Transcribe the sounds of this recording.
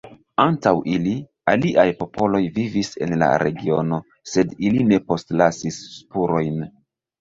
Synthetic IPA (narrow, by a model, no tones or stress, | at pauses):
antawʔili | aliʔajpo̞pʰo̞lo̞jvivise̞̰nla̰ɾʔe̞̰ɡio̞no̞ | se̞diline̞po̞stlasisːpuɾo̞jn